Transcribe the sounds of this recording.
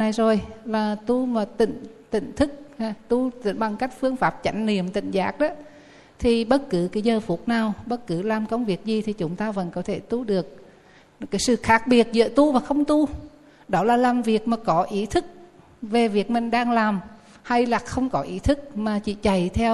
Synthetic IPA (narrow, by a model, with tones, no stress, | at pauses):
na˧˩jzo˨˩jlaː˨˩t̪u˧maː˨˩t̪ḭ̈˧˨ŋ̟t̪ḭ̈˧˨ŋ̟t̪ʰɨ˦˥k̚hːt̪u˧˩ɓa˨˩ŋka˦˥jk̟̚fɨ˧əŋfaː˦˥p̚t͡ɕa˨˦jŋ̟nḭ˨˧˨əmt̪ḭ̈˧˨ŋ̟zaː˨˦˥k̚ɗɔ˨˦ | t̪ʰi˨˩ɓə˦˥t̚kɨ˨˦kaː˨˦zəː˨˩fu˨˦˥t̚naː˨˩wɓə˦˥t̚kɨ˨˦laː˨˩mkə˧wŋ͡mvi˨˩ək̚zi˨˩t̪ʰi˨˩t͡ɕʊ˨˦ŋ͡mt̪aː˧və̰˧˥nkɔ˨˦t̪ʰe˧˩t̪u˧ɗɨ˨˩ək̚ | kaː˨˦jsɨ̰˧˨xaː˦˥k̚ɓi˨˩ət̚zə̰˧˨t̪u˧vaː˨˩xə˧wŋ͡mt̪u˧ | ɗɔ˨˦laː˨˩laː˨˩mvi˨˩ək̚maː˨˩kɔ˨˦ʔi˨˦t̪ʰɨ˦˥k̚ | ve˨˩vi˨˩ək̚mï˨˩ŋ̟ɗaː˧ŋlaː˨˩m | ha˧jlaː˨˩xə˧wŋ͡mkɔ˨˦ʔi˨˦t̪ʰɨ˦˥k̚maː˨˩t͡ɕḭ˧˨t͡ɕa˨˩jt̪ʰɛ˧w